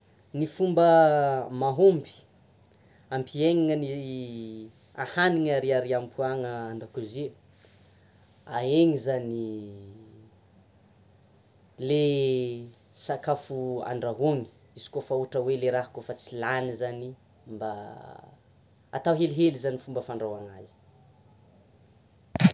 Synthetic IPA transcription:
nifumbəmaɦombi̥ | ampʰieŋiŋəni | ahaniŋaɾiaɾiampʰuaŋəand̪akuze | aeŋizani | le | sakafua̰ɳɖ͡ʐaɦoŋi̥ | izi̥kofauʈ͡ʂəweleɾaɦakofat͡silanizani | mba | a̰t̪aɦeliɦelizanifumbəfaɳɖ͡ʐawaŋazi̥

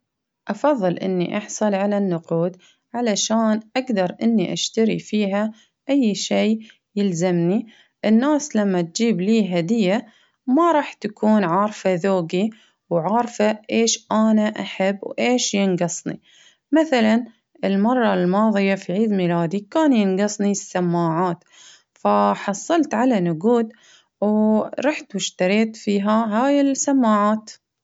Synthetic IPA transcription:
ʔɑfɑðˤːɨlʔɪ̰nːḭʔɑħsˤɑlʕalanːʊquːd̪ | ʕalaʃaːnʔaɡd̪ɑɾˤʔɪnːiʔa̰ʃt̪aɾḭfiːɦa | ʔajːʃeː | jɪlzamni | ʔɪnːaːslamːat̪̚d͡ʒiːbliːɦad̪ɪjːa | mɑɾˤɑːħt̪akʰuːnʕɑːɾˤfaðoːɡi | wʕɑːɾˤfaʔeːʃʔanaʔaħabːwʔeːʃjɪnɡɑsˤnḭ | maθalan | ʔɪlmɑrˤːɑlmɑːðˤɨjafiʕiːd̪miːlaːd̪ikaːnjɪnɡɑsˤnisːamːaːʕaːt̪ | faħɑsˤːɑlt̪ʕalanʊɡuːd̪ | wɾˤɑːħt̪wʊʃt̪ɑɾiːt̪fiːɦaɦaːjɪlsamːaːʕaːt̪

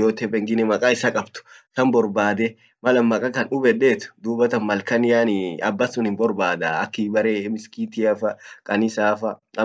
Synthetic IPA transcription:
joːt̪ɛbɛŋɡɪnɛmɐkʼaːɪsɐkʼɐbt̪ʊ̥t̪ɐmbɔɾbaːd̪ɛ | mɐlɐmmːɐkʼɐkɐnʊbɛɗeːt̪ʊ̥d̪uːbɐt̪ɐnmɐlkɐnɪjaːnɪɐ̰bːɐsʊnhɪnbɔɾbaːd̪aɐkːɪbɐɾemɪskit̪ɪjɐfɐkʼɐnɪsaːfɐɐ

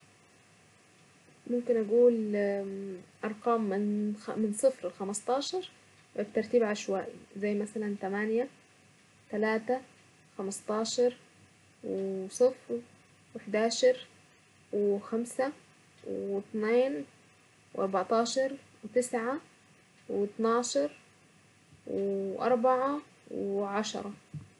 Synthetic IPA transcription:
mʊmkɪnʔaɡuːl | ʔɑɾˤqɑːmːɪnːɪnsˤɨfɾxamɑst̪ˤɑːʃɑɾˤ | ʔɪt̪ːɑɾˤt̪iːbʕaʃwaːʔḭzajːmasalant̪amanja | t̪alaːt̪a | xamɑst̪ˤɑːʃɑɾˤ | wɪsˤɨfɾ | wɪħd̪aːʃɑɾˤ | wɪxamsa | wɪɪt̪neːn | wʔɑɾˤbɑʕt̪ˤɑːʃɑɾˤ | wt̪ɪsʕa | wɪt̪nɑːʃɑɾˤ | wɪʔɑ̰ɾˤbaʕa | wɪʕɑʃɑ̰ɾˤɑ

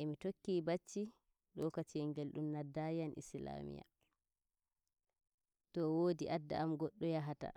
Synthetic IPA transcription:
ʔɛmitokːiːbat͡ʃːi | lɔkatiɛŋɡelɗumnadːajanʔḭsla̰mḭja̰ | tɔwoːdiʔadːa̰ʔamɡɔɗːɔjaɦata̰

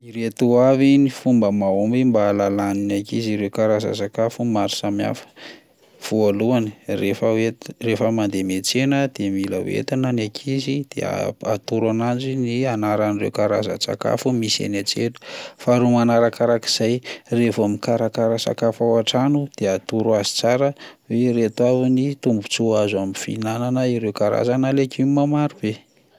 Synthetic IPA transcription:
iɾet̪uavinifumbəmaumbimbaːlalaninakiziɾewkaɾaza̰sakafumaɾi̥samia̰fə̥ | v̥ualuani̥refəerefəmand̪emet͡senəd̪̥emila̰wḛt̪anənakʰizid̪̥ḛa̰a̰t̪uɾanand͡ʒinianaɾanirḛwkaɾa̰za̰sa̰ka̰fumisiḛnat͡sḛlu̥faɾumanaɾakaɾaki̥z̥ajrefamikaɾakaɾəsa̰kafawaʈ͡ʂanud̪̥eat̪uɾuazi̥t͡saɾəweɾet̪wavinit̪umbut͡suazaminfḭnananəiɾewkaɾa̰zanalekimamaɾub̥e

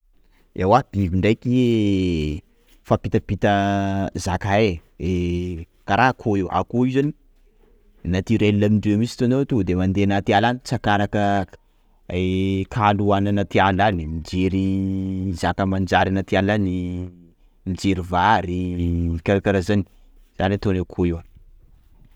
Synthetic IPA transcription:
ewad̪̥iviɳɖ͡ʐajki | fapit̪əpit̪əzakaee | kaɾaɦkʰoewʔa̰koizani̥ | nat̪iɾelilamiɳɖ͡ʐemisi̥t̪uanot̪ud̪emand̪enat̪ialanit͡sakaɾakə | ekʰaluananat̪ianlanimid͡ʒeɾi | zakəmand͡ʒaɾinat̪ianlani | mid͡ʒeɾivaɾikʲaɾakaɾazani̥ | z̥anɾet̪onewkʰoewa

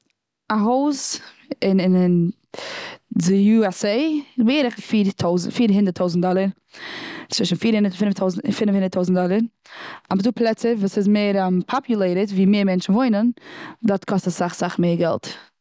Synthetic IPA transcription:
aɦoʊs | ɪnɪnɪn | dɪjuːɛseɪɪzbaeːɾɪχfiːɾtʰoʊzfiːɾɦɪndəɾtʰoʊzn̩tdɔlˠəɾ | t͡sv̥ɪʃn̩fiːɾhɪndəfɪntʰoʊz̩fɪnfhɪndəɾtʰoʊzn̩tdɔlˠəɾ | abzduːplˠɛt͡səvuːsɪzmeɪɾmpʰɔpʰjʊlˠeɪɾətviːmeːɾmɛnt͡ʃn̩voɪnəndɔtkʰɔstasaχsaχmeɪɾɡɛ̰lˠt

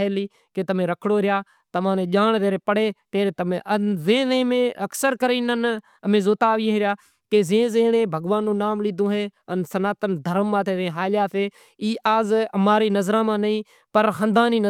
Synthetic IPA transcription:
eːliː | keːt̪əmẽːɾəkʰɽoːɾɪjaː | t̪əmãːnẽːʄaːɳt̪eːɾeːpəɽeːt̪eːɾeːt̪əmḛ̃ʔəzẽːzẽːmẽːʔəksəɾkəɾiːnən | əmẽːzoːt̪aːʋiːɦẽːɾɪjaː | keːzẽːzẽːɽẽːbʱəɡʋaːnːũːnaːmliːd̪õːɦeːənsənaːt̪ənd̪ʱəɾəmːãːt̪ʰeːzẽːɦaːljaːt̪ʰeː | iːʔaːzəmaːɾiːnəzɾãːmãːnəĩː | pəɾɦə̃nd̪ãːniːnə

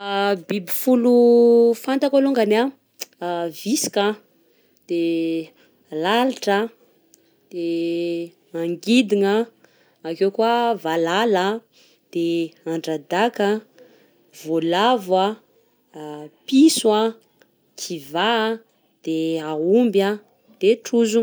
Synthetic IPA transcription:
bibifulufant̪akaluŋɡana | visi̥ka | d̪̥e | laliʈ͡ʂə | d̪̥e | aŋɡid̪iŋə | akekuavalala | d̪̥eaɳɖ͡ʐad̪aka | volavwa | piswa | kʰiva | d̪̥eaumbja | d̪̥eʈ͡ʂuzu

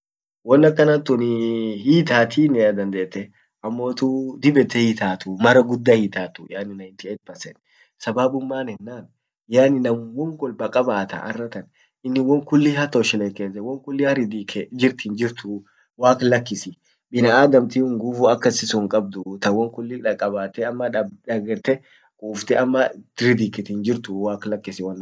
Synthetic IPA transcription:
wɔnːɐkːɐnɐt̪ːʊnɪhiːt̪aːt̪ʰiːnɛɐd̪ɐnd̪eːt̪ːɛ | ɐmːo̞ːt̪ud̪ɪbɛt̪ːɛhiːt̪aːt̪ʊmɐɾɐɡʊd̪ːɐhiːt̪aːt̪ʊjaːnːɪnɐɪnt̪ɪɛt̪̚bɐsɛ̰n | sɐbaːbʊmːaːnɛnːaːn | jaːnɪnɐmwɔŋɡɔlbɐkʼɐbaːt̪ɐ̰ʔɐ̰rːɐt̪ɐn | ɪnːɪwɔŋkʊlːihɐt̪oʃɪleːkeːsɛwɔŋkʊlːihɐɾɪd̪ikʰɛd͡ʒɪɾt̪ind͡ʒɪɾt̪ʊ | waːklɐkːɪsɪ | bɪnɐʔaːd̪ɐmt̪ihʊŋɡuːfʊɐkːɐsɪsʊŋkʼɐb̚d̪ʊt̪ɐwɔŋkʊlːiᶑɐkʼɐbaːt̪ːɛɐmːɐᶑɐɡɛɾt̪ɛ | kʼuːft̪ɛɐmːɐɾɪd̪ikɪt̪iːnd͡ʒɪɾt̪ʊwaːklɐkːɪsɪwɐnː

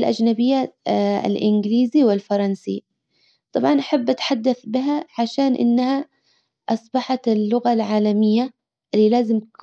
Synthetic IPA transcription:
lʔa̰d͡ʒnabɪjːa̰lʔɪnɡɪliːziwɪlfɑɾˤɑnsi | t̪ˤɑbʕɑnʔaħabːʔat̪ħad̪ːaθbɪɦaʕaʃaːnʔɪ̰nːaha | ʔɑsˤbɑħɑt̪ɪlːʊɣalʕaːlamɪjːa | ʔɪlːilaːzɪmk

